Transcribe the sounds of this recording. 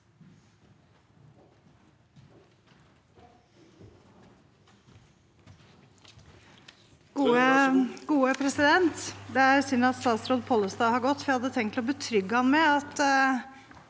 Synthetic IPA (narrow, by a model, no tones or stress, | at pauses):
ɡ̥uːəɡuːəpʰɾɛsɪd̪ɛnt̪d̪ɛæɾsʏnɾɑt̪st̪ɑːt̪sɾoːd̪pʰɔlːəsd̪ɑːhɑɾɡɔt̪ːfhɑd̪ːət̪ʰɛŋkt̪ʰlɔbət̪ʰɾʏɡːəhɑnmɛɑt̪